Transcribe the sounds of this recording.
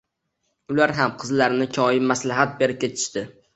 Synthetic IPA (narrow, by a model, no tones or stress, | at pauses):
ʊlaɾɦamqʰɨzlaɾnɪkʲʰɒjɪmmaslaɦat̪̚be̞ɾɪp̚kʲʰet͡ʃ̪ʰɪ̥ʃt̪ɪ